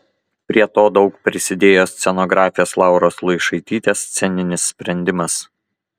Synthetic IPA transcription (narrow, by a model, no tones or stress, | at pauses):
pʲɾʲiɛt̪oːd̪ɒʊkpʲɾʲɪsʲɪd̪ʲeːjoːsʲt̪sʲɛnoɡɾɑːfʲɪjoːslˠɑˑʊɾoːslˠɐɪʃɐɪt̪ʲiːt̪ʲeːst̪sʲɛnʲɪnʲɪsːʲpʲɾʲɛnʲd̪ʲɪmɐs